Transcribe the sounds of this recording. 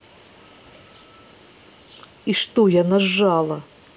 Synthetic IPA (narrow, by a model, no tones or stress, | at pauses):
iʂt̪ɔjanaʐːalˠɐ